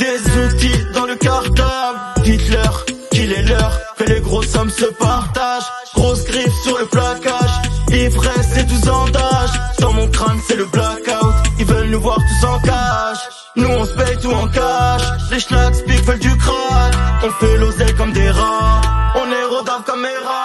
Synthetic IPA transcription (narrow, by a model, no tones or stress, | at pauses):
d̪ezut̪id̪ɑ̃ləkaʁt̪ad̪it̪lœʁkilɛlœʁkəleɡʁozɔmsəpaʁt̪aʒ | ɡ̥ʁosɡʁifsyʁləplakaʒevʁɛsed̪uzɑ̃d̪aʒsɑ̃mɔ̃kχansɛləblakawt̪ivəlnuvwaʁt̪usɑ̃kaʒ | nuɔ̃sə̥pɛjt̪uɑ̃kaʒleʃnak̪spikvɛld̪ykχanɔ̃fɛlozɛlkɔmd̪eʁɑ̃ɔ̃nɛʁod̪amkɔmmeʁɑ̃